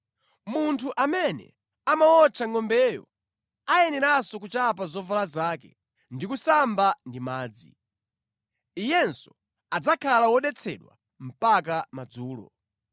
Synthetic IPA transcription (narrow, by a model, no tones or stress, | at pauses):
muntʰuʔamɛnɛ̰ | amaɔt͡ʃʰaŋɔmbɛːjɔ̰ | ajɛnɛɾasɔk̬ut͡ʃap̬azɔvalazaːkɛ̰ | ndikusambandimaːd͡zḭ | ijɛnsɔ̥ | ad͡zakʰalawɔɗɛt͡sʰɛ̰ɗwa̰ | m̩pakamad͡zuːlɔ̰